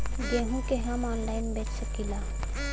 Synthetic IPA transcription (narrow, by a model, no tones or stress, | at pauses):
d͡ʒeːɦũkeɦəmɔːnlaɪnbeːt͡ʃsəkila